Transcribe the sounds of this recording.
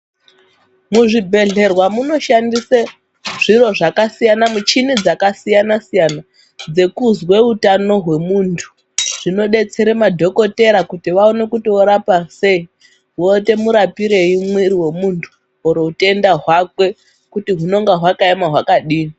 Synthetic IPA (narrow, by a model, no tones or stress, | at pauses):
muʐibʱe̞ɮe̞rwamuno̞ʃandise | ʐ̥iɾo̞ʐakasijanamut͡ʃinid͡zakasijanasijana | d͡ze̞kuzwe̞utano̞ɦwe̞muntʰu̥ | ʐ̥ino̞ɗe̞t͡se̞ɾe̞madʱo̞ko̞te̞ɾakutiʋao̞ne̞kutioɾapase̞i | wote̞muɾapiɾe̞imwiɾiwe̞muntʰu̥ | oɾoute̞ndaɦwakwe̞ | kutiɦuno̞ŋɡaɦwakaemaɦwakaɗiːni